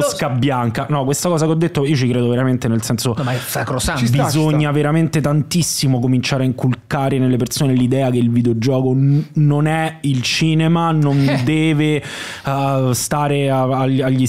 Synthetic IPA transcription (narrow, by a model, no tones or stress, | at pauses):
skabːjaŋkanɔkwest̪akɔːzakeɔd̪ːet̪ːoiːot͡ʃikɾeːd̪oveɾament̪enelsɛnsoakɾosabizoɲːaveɾament̪et̪ant̪isːimokomint͡ʃaːɾeaiŋkulkaːɾenelːepersoːnelid̪ɛːakeilvid̪eod͡ʒɔːkononɛilt͡ʃiːnemanond̪ɛːve | st̪aːɾeaaʎaʎːi